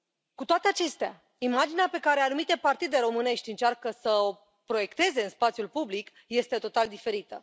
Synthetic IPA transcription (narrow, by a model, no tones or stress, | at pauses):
kut̪oat̪e̞at͡ʃe̞st̪ea̰ | imad͡ʒineape̞kaɾe̞anumit̪e̞part̪id̪e̞ɾo̞mɨne̞ʃtʲɨnt͡ʃarkəsəo | pɾo̞je̞kt̪e̞ze̞ɨnspat̪sʲjulpublik | je̞st̪e̞t̪o̞t̪ald̪ife̞ɾit̪ə̰